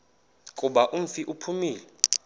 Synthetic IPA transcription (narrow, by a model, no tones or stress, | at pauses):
kʼuɓaʔum̩fiʔupʰumiːlɛ